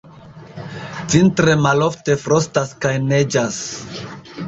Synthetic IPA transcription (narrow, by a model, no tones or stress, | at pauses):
t͡sintɾemalo̞fte̞fɾostaskajned͡ʒas